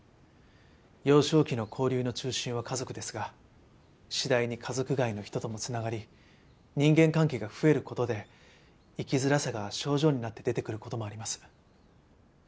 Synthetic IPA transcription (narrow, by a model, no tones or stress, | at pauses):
jo̞ːɕo̞ːkʲino̞kʰo̞ːɾʲɯːno̞t͡ɕɨːɕĩɰ̃β̞akazo̞kɯ̟d̪e̞sɨɡa | ɕid̪aiɲ̟ikʰazo̞kɯ̟ɡaino̞çi̥t̪o̞t̪o̞mo̞t͡sɨnaɡaɾʲi | ɲ̟ĩŋɡẽ̞ŋkãŋke̞ːɡaɸɯ̟e̞ɾɯ̟ko̞t̪o̞d̪e̞ | ikʲizɨɾasaɡaɕo̞ːʑo̞ːɲ̟inat̪ːe̞d̪e̞t̪e̞kɯ̟ɾɯ̟ko̞t̪o̞mo̞aɾʲimasɨ̥